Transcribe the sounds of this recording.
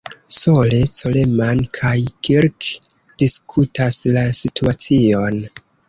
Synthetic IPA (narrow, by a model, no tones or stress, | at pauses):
so̞le̞t͡so̞le̞mankʰajkʰiɾk | d̥iskʰutaslasitʰuat͡sio̞n